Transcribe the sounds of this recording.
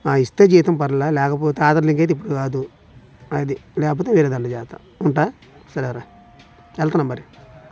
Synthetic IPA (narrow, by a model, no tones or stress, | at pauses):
aːist̪ed͡ʒiːt̪ɐmpɐɾɐlɐlɛːkɐp̬oːt̪aːt̪ɐɾliŋket̪ip̬ːuɽukaːd̪u | ɐd̪ilɛːkɐp̬oːt̪eʋeːɾeːd̪ɐɳɖɐd͡ʒaːt̪ɐ̰ | uɳʈaː | sɐɾɛɾa | ɛlt̪ɐnɐmːɐɾi